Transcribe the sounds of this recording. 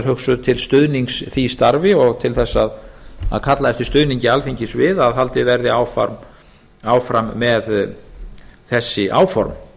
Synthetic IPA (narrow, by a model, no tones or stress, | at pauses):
ɾhɦœxsʏðt̪ʰɪlst̪ʏðniŋksθist̪aɾvɪɔɣt̪ʰɪlθɛsːaða̰ðkʰat̪laɛft̪ɪɾ̥st̪ʏðniɲcɪalfiɲcɪsvɪðaðhalt̪ɪvɛɾðɪaːwfa̰ɾm | aːwfɾamːɛð | θɛsːɪʔa̰ːwfɔɾm